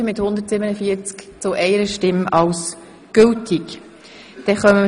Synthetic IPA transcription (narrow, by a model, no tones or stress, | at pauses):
əmɪthʊnd̪ətsɪbənəfiːəɾt͡skt͡sʊʔɛɪəɾəʃtɪmɑls | ɡ̥ʏltʰɪk | d̥ɛχœmə